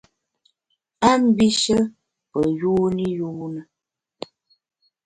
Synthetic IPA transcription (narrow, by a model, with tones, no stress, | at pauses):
a˦m̩˦bi˦ʃə˦ | pə˨ju˦ni˦juː˦nə˨